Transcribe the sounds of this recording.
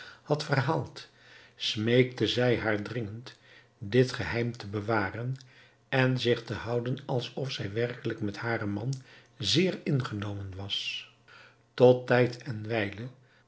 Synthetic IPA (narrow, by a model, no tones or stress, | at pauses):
hɑtfərɦaːlˠt | smejk̚təzɛjɦaːɹdrɪŋənt | dɪtχəɦɛjmtəbəʋaːrən | ɛnzɪχtəɦʌwdənɑlˠsɔfsɛjʋɛrkələkmɛthaːrəmɑn | zɪːrɪnχənowmənʋɑs | tɔtːɛjtʰɛnʋɛjlə